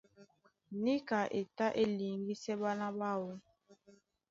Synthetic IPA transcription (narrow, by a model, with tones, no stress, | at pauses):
ni˦ka˨ʔe˨ta˦ʔe˦li˨ŋ˦ɡi˦sɛ˦ba˦na˦ba˦wo˦